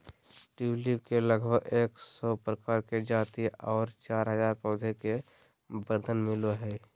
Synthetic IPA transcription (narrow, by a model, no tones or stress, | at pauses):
ʈuːlibkeləɡbʱəɡeːksɔpɾəkaːɾked͡ʒaːt̪iɔːɾt͡ʃaːɾɦəzaːɾpɔːd̪ʱeke | bəɾd̪ʱənmɪloɦɛː